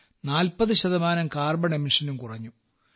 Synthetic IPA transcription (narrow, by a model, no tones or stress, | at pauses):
naːlpɐðɨɕɐðɐmaːnɐmkaːrbɐɳeminʂɐnumkurɐɲːu